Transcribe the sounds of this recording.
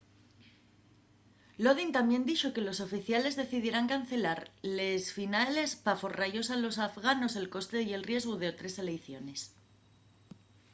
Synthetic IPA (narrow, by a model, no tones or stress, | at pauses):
lo̞ð̞int̪ambje̞nd̪iʝo̞ke̞lo̞so̞fiθjale̞zðe̞θiðje̞ɾaŋkan̟θe̞laɾlesfinale̞spafo̞raʝo̞salo̞s̬afɣano̞se̞lko̞st̪e̞ie̞lrje̞zɣoð̞e̞ot̪ɾe̞se̞lejθjo̞ne̞s